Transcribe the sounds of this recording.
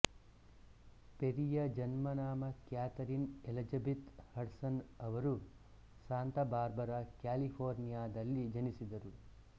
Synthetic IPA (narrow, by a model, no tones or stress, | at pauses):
peɾijɐd͡ʒɐnmɐnaːmɐkjaːt̪ɐɾinelɐd͡ʒɐbit̪hɐɽsɐnɐʋɐɾu | saːnt̪ɐbaːɾbɐɾɐkjaːlipʰoːɾnijaːd̪ɐlːid͡ʒɐnisid̪ɐɾu